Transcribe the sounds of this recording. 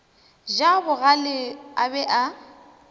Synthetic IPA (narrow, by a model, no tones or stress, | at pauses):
d͡ʒabʊɣalɪabɛʔa